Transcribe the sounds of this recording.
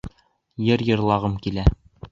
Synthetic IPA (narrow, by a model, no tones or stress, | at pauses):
jɘɾjɤ̆ɾlˠɑʁɤmkilæ